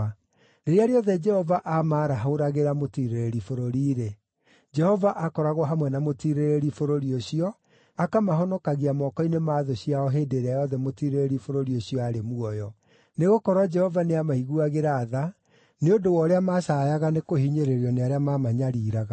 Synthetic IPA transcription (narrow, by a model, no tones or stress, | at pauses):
neɾeaɾeɔðɛd͡ʒɛhɔvaʔamaːɾaɦaoɾaɣeɾamotiɾeɾeɾifoɾoɾiːɾe | d͡ʒɛhɔvaʔakɔɾaɣwɔɦamwɛnamotiɾeɾeɾifoɾoɾioɕiɔ | akamaɦɔnɔkaɣiamɔkɔinemaːðoɕiaɔɦedeɾeajɔðɛmotiɾeɾeɾifoɾoɾioɕiɔaɾemuɔjɔ | neɣokɔɾwad͡ʒɛhɔvaneamaiɣuaɣeɾaːða | neodowɔɾeamaːʃajaɣanekohiɲeɾeɾiɔneaɾeamamaɲaɾiːɾaɣa